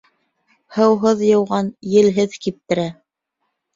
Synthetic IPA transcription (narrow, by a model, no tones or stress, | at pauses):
hɤ̆wɦɤðjɤ̆wʁɑnjɘ̆lɦɘðkip̚t̪ɘ̆ɾæ